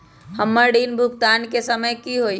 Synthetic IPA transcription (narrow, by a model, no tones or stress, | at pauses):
həmːəɾɖiːnbʱʊkt̪aːnkesəməjkiɦoi